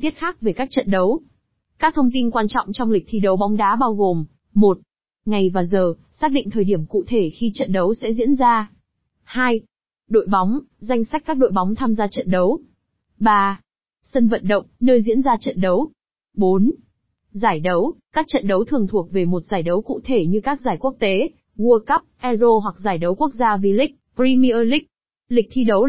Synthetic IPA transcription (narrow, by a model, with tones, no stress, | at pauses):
t̪i˦˥ət̚xaː˦˥k̚ve˨˩kaː˦˥k̚t͡ɕə̰˧˨nɗə˨˦w | kaː˦˥k̚t̪ʰə˧wŋ͡mt̪i˧nkwaː˧nt͡ɕɔ̰˧˨wŋ͡mt͡ɕɔ˧wŋ͡mli˨˩k̟̚t̪ʰi˧˨˩ɗə˨˦wɓɔ˨˦wŋ͡mɗaː˨˦ɓaː˧wɣo˨˩m | mo˨˩t̚ | ŋa˨˩jvaː˨˩zəː˨˩ | saː˦˥k̚ɗḭ˧˨ŋ̟t̪ʰəː˨˩jɗi˧˩əmkṵ˧˨t̪ʰe˧˩xi˧t͡ɕə̰˧˨nɗə˨˦wsɛ̰˧˥zḭ˧˥ənzaː˧ | haː˧j | ɗo̰˧˨jɓɔ˨˦wŋ͡mza˧jŋ̟sa˦˥k̟̚kaː˦˥k̚ɗo̰˧˨jɓɔ˨˦wŋ͡mt̪ʰaː˧mzaː˧t͡ɕə̰˧˨nɗə˨˦w | ɓaː˧ | sə˧nvə̰˧˨nɗə̰˧˨wŋ͡mnəː˧jzḭ˧˥ənzaː˧t͡ɕə̰˧˨nɗə˨˦w | ɓo˨˦n | zaː˧˩jɗə˨˦wkaː˦˥k̚t͡ɕə̰˧˨nɗə˨˦wt̪ʰɨ˨˩əŋt̪ʰu˨˩ək̚ve˨˩mo˨˩t̚zaː˧˩jɗə˨˦wkṵ˧˨t̪ʰe˧˩ɲɨ˧kaː˦˥k̚zaː˧˩jku˦˥ək̚t̪e˨˦ | vu˧əka˦˥p̚ʔɛ˧zo˧ɦwa˨˩k̚zaː˧˩jɗə˨˦wku˦˥ək̚zaː˧vi˨˩lï˦˥k̚pɾi˧mi˧ʔəː˧lï˦˥k̚ | lï˨˩k̚t̪ʰi˧ɗə˨˦w